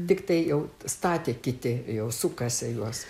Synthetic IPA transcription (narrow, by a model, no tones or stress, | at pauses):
t̪ʲɪkt̪ɐɪjɛʊst̪ɑːt̪ʲeːkʲɪt̪ʲɪjɛʊsʊkɐsʲɛjuɔs